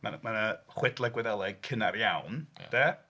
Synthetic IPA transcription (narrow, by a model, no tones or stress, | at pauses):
manmanəχwɛdlˠɛɡwɛðɛlˠɛɡ̚kʰənarjawnd̥ɛ